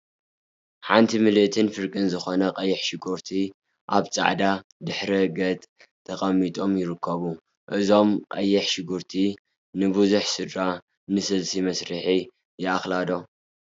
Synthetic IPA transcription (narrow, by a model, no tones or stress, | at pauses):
ħant̪ʰimɨlɨt̪ʰɨnfɨɾkʼɨnzɨxonɐqʼɐjːɛħʃɪɡuɾt̪ʰi | ʔaβt͡sʼa̰ʕd̪ad̪ɨħɾɐɡɐt̪ʼ | t̪ʰːɐkʼɐmit̪ʼo̞mjɪɾɨkʰːɐβu | ʔɨzo̞mqʼɐjːɛħʃɪɡuɾt̪ʰi | nɨbɨzuħsɨd̪ɾa | nɨsɨlsimɐsɾɨħi | jɛaxlad̪o̞